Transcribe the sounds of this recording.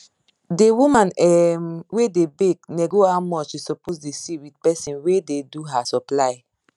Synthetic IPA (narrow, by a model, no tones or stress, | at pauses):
dewumãnɛmwedebekneɡohawmɔt͡ʃisɔposdesiwidpɛsĩnwededuɦasɔplaɪ